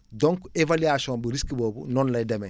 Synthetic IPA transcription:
dɔŋkevaliasiɔ̃mbuɾiskbɔːbunɔnlɐjdɛmɛ

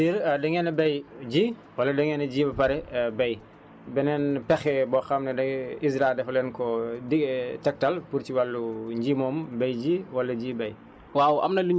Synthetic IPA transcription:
iɾdɛŋɛnɛbɛjɟiː | wɐlːɐdɛŋɛnɛɟiːbɐpɐɾɛbɐj | bɛnɛnpɛxɛbɔxɐmnɛdɐɡisɾadɛflɛnkɔdiɡtɛk̚talpuɾciwalːuɲɟiːmɔːmbɛjd͡ʒiːwɐlːɐɟiːbɛj | wawʔɐ̰mnɐluɲ

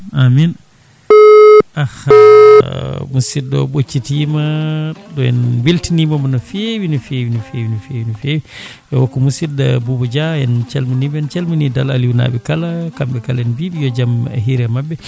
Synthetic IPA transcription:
amin | ah | musidɔ̰ɓot͡ʃːitimaɗɔjɛ̰nwiltinimamanɔfewinɔfewinifewinɔfewinifewi | ʔɛwɔkːɔmusidabubɔd͡ʒajɛnt͡ʃɛlminibɛnt͡ʃɛlminidala̰liwna̰ɓɛkalakambɛkalɛnbiɓijɔd͡ʒamɛ̰ɦiɾɛmabːɛ

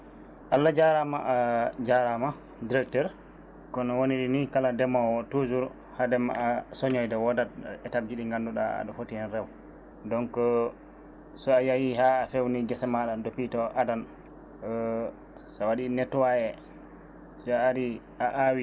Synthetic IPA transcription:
ʔalːad͡ʒaɾamaʔad͡ʒaɾama | diɾɛk̚tɛɾ | kɔnɔwoniɗinikaladɛmawɔtozuɾ | hadɛma̰asɔɲɔjdɛwɔdat̚ɛtab̚d͡ʒiɗiŋɡanduɗa̰a̰ɗɔfotiɛnɾɛw | dɔŋkɔ | sɔajajiɦaːfewniɡɛsɛmaɗandopitɔʔadan | sawaɗinɛtːwaɛ | sɔaɾi | aʔawi

